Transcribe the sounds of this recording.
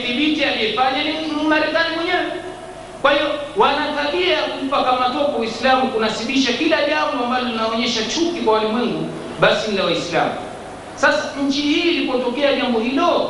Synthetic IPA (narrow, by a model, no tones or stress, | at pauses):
θiɓitialiɛfaɲanimaɾɛkaniwɛɲɛwɛ | kwahiɔwanataɓiajakum̩pakamatɔkɔwislamukunasiɓiʃakilaʄambɔambalɔlinaɔɲɛʃat͡ʃukikwawalɛmwɛŋɡu | ɓasin̩lawaisla̰mṵ | sasaɲ̩t͡ʃihiːlipɔtɔkɛaʄambɔhilɔ